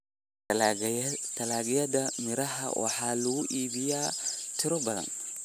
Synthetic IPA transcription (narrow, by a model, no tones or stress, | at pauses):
t̪ʰɐlaːɣɪjɐdɐmɪɾɐɦɐ̰wʔɑ̰ħɑːlɐɣʊʔiːβɪjaːt̪ʰɪɾɔbɐðɐ̰n